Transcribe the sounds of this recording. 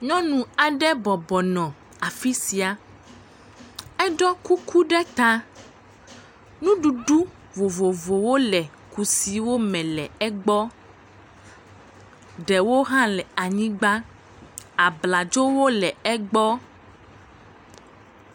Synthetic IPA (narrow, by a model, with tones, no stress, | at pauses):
ɲɔ̃˦nũ˨a˨ɖɛ˦bɔ˨bɔ˨nɔ̃˨ | a˨fi˦si˨a˨ | ɛ˦ɖɔ˦ku˦kʰu˦ɖɛ˦t̪a˦ | nũ˦ɖu˨ɖu˦ | vo˨vo˨vo˨wo˦lɛ˨ | ku˨si˨wo˦mɛ̃˨lɛ˨ɛ˦ɡ͡bɔ˦ | ɖɛ˨wo˦ɦã˦lɛ˨a˨ɲĩ˦ɡ͡ba˦ | a˨bla˨d͡ʒo˦wo˦lɛ˨ɛ˦ɡ͡bɔ˦